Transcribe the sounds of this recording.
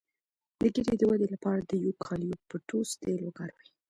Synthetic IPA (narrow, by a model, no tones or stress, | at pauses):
d̪əɡeɾed̪əwad̪elapɑɾad̪əjokʰɑljopəʈost̪eloɡaɾwaj